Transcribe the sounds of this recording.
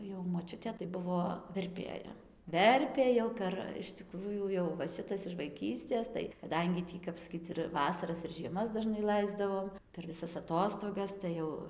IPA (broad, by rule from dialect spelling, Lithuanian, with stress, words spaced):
jɛʊ moːˈt͡ʃʲʊtʲeː tɐɪ ˈbʊʋoː ʋʲɛrʲˈpʲeːjɛ ˈʋʲɛrʲpʲeː jɛʊ ˈpʲɛr ɪʃ tʲɪˈkruːjuː jɛʊ ʋɐ ˈʃʲɪtɐs ɪʃ ʋɐɪˈkʲiːsʲtʲeːs tɐɪ kɐˈdɐŋʲɡʲɪ ˈtʲiː kɐp sɐˈkʲiːt͡s ɪr ˈʋɑːsɐrɐs ɪr ʒʲiɛˈmɐs dɐˈʒnɐɪ ˈlˠɐɪzdɐʋoːm pʲɛr ʋʲɪˈsɐs ɐˈtoːstoːɡɐs tɐɪ ˈjɛʊ